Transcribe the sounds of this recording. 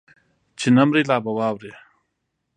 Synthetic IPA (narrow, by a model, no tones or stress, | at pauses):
t͡ɕʰinɐmɾilaːbɐwaːwɾe